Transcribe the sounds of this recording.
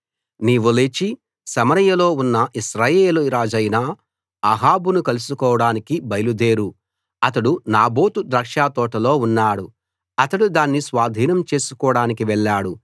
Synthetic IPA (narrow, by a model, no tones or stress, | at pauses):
niːʋulet͡ʃi | sɐmɐɾɐjɐlo̞ːunːɐʔiʃɾaːjeːluɾaːd͡ʒɐjnaː | ɐɦaːbunukɐlusukɔːʋɐɽaːnikibɐjlud̪e̞ːɾu | ɐt̪ɐɽunaːbo̞ːt̪ud̪ɾɐkʂaːt̪ɔːʈɐlo̞ːunːaːɽu | ɐt̪ɐɽud̪aːnːisʋaːd̪ʱiːnɐmt͡ʃe̞ːsukɔːɽaːnikiʋɛɭːaːɽu